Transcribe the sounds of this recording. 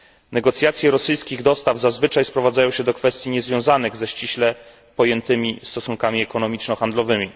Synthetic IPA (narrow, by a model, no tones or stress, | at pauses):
nɛɡɔt̪sʲjat̪sʲjɛɾɔsɘjskʲiɣd̪ɔst̪avzazvɘt͡ʂajspɾɔvad̪zajɔ̃w̃ɕɛd̪ɔkfɛst̪ʲjiɲɛzvʲjɔ̃w̃zanɘɣzɛɕt͡ɕiɕlɛ | pɔjɛnt̪ɘmʲist̪ɔsuŋkamʲiɛkɔnɔmʲit͡ʂnɔxand̪lɔvɘmʲi